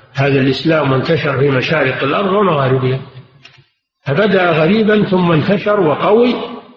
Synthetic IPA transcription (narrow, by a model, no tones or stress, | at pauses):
haːðalʔɪslaːmːʊnt̪aʃɑɾˤfiːmaʃaːɾɪqɪlʔɑɾˤðˤwamaɣaːɾɪbɪha | fabad̪aʔɣaɾiːbanθʊmːant̪aʃɑɾˤwɑqɑwi